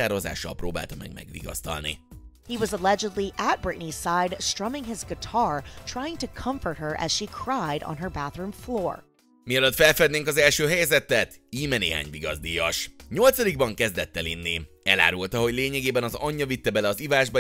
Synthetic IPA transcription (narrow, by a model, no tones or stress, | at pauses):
aːɾoza̰ːʃːɒ̰lproːba̰ːlt̪ɒmɛ̰ɡ̚mɛ̰ɡʋḭɡɒ̰st̪ɒ̰lnḭ | hiwʌzəlɛd͡ʒəd̪ˡliʔət̚b̥ɹɪʔniz̥saɪdstɹ̥ʌmɪ̃ŋɪzɡətʰɑɹtʰɹ̥ajɪ̃ŋtukʰʌ̃ɱfə˞t̚hə˞ʔɛ̰z̥ʃikʰɹ̥ajɾ̰̃n̩ə˞bæθɹũɱfloːɹ | miɒløt̪fɛlfɛd̪neːŋkɒzɛlʃøːɦɛjzɛt̪ːɛt̪iːmɛnḛːɦa̰ːɲviɡɒzd̪ijɒʃɲo̞lt̪sɒd̪iɡ̚bɒŋkɛzd̪ɛt̪ːɛlinːi | ɛla̰ːɾult̪ɒɦo̞ɟleːɲɛɡeːbɛnɒzɒɲːɒvit̪ːɛbɛlɛɒzivaːʒbɒ